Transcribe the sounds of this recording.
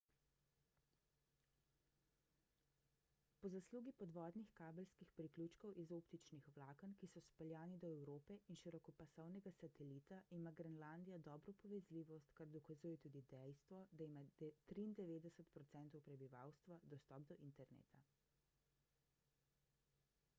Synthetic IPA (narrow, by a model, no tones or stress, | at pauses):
pɔzasluːɡipɔd̪ʋɔːd̪nixkaːbɛlskixpɾiklʲuːt͡ʃkɔwʔizopt̪it͡ʃnixwlaːkənkisɔspɛljaːnid̪ɔɛwɾoːpɛʔinʃiɾɔkɔpasɔwnɛɡasat̪ɛlit̪aʔimaɡɾɛnland̪ijad̪ɔːbɾɔpɔʋɛzliːʋɔst̪kaɾd̪ɔkazuːjɛt̪uːd̪id̪ɛjst̪ʋɔd̪aimat̪ɾiːnd̪ɛʋeːd̪ɛsət̪pɾɔt̪sɛnt̪ɔwpɾɛbiʋa̰wst̪ʋad̪ɔst̪ɔb̚d̪ɔʔint̪ɛɾnḛːt̪a